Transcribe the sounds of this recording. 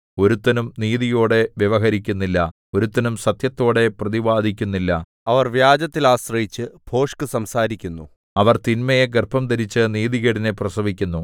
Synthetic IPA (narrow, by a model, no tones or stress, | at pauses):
o̞ɾut̪ːɐnumniːðijo̞ːɽe̞ʋjɐʋɐɦɐɾikʲːunːilːɐ | o̞ɾut̪ːɐnumsɐt̪jɐt̪ːo̞ːɽe̞prɐðiʋaːd̪ʱik̬ʲːunːilːɐ | ɐʋɐrʋjaːd͡ʑɐt̪ːilaːsrɐjit͡ɕːɨbʱo̞ːʂkɨsɐmsaːɾikʲːunːu | ɐʋɐrt̪inmɐjeɡerpʰɐmt̪ɐɾit͡ɕːɨniːðiɣɐɽineprɐsɐʋikʲːunːu